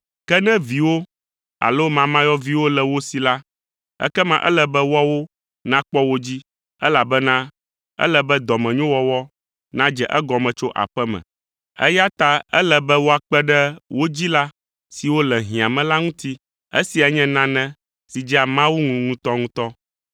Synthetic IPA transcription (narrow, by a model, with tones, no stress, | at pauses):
kɛ˦nɛ̃˦vi˨wo˦ | a̰˨lo˦mã˨mã˦jɔ˦vi˨wo˦lɛ˨wo˦si˨la˦ | ɛ̰˦kɛ˦mã˦ʔɛ̰˦lɛ˨bɛ˦wɔ˦wo˦ | nã˦k͡pɔ˦wo˦d͡ʑi˦ | ɛ˦la˨bɛ˦nã˦ | ɛ̰˦lɛ˨bɛ˦d̪ɔ˨mɛ̃˨ɲõ˦wɔ˦wɔ˦ | nã˦d͡ʒɛ˨ʔɛ˦ɡɔ˨mɛ̃˨t͡ʃo˦ʔa̰˨ɸɛ˦mɛ̰̃˨ | ɛ̰˦ja˦t̪a˦ɛ˦lɛ˨bɛ˦wo˦a˨k͡pɛ˦ɖɛ˦wʔo˦d͡ʑi˦la˦ | si˨wo˦lɛ˨ɦĩ˨a˨mɛ̃˨la˦ŋũ˦t̪i˦ | ḛ˦si˨ɛ˨ɲɛ̃˦nã˦nɛ̃˦ | si˨d͡ʑi˦a˨mã˦wu˦ŋũ˨ŋũ˦t̪ɔ˦ŋũ˦t̪ɔ˦